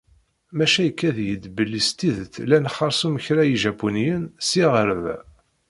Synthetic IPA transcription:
mæʃæjəkːæðjəd̪bəlːist̪iðt̪lænχɑɾˤsuməçɾæjiʒæpːunjənsiʁəɾəv

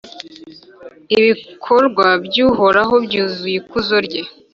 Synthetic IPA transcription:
iβikʰoɾɡwabɟuːɦo̞ɾaɦo̞bɟuːzujikuzo̞ɾɟe

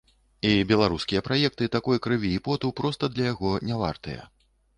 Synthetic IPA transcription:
ibʲɛlˠaɾuskʲijɐpɾajɛk̚t̪ɨt̪akɔjkɾɨvʲiːpɔt̪upɾɔst̪ɐd̪lʲɐjaɣɔnʲava̰rt̪ɨjɐ̰

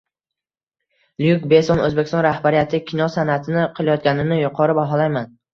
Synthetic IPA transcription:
ljukbe̞sonɵzbekʲɪst̪ɒnɾahbaɾijat̪ʰɪkʲʰɪnɒsanat̪ʰɪnɪqʰɨlˠajɒt̪̚ɡʲanɪnɪjʊqʰɒɾɪbaɦɒlˠajman

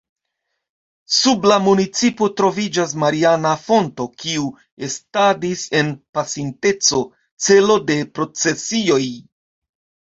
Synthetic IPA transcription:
sublamunit͡sipo̞tɾo̞vid͡ʒas̬maɾianafo̞nto̞kiu | e̞stadise̞npasinte̞t͡so̞ | t͡se̞lo̞de̞pɾo̞t͡se̞sio̞j

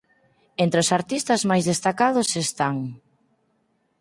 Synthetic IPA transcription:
ent̪ɾosaɾt̪ist̪ɐzmajzðest̪akaðʊsest̪aŋ

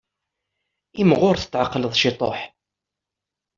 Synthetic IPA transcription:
imʁʊɾθə̥t͡sːʕaqːləðˤʃɪt̪ˤo̰ħ

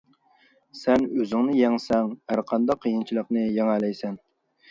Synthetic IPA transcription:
sɛnøzyŋnɨjɛŋsɛŋhæɾqʰɑnd̪ɑqʰːəjɨnt͡ʃʰilˠəqnɨjɛŋælɛjsɛn

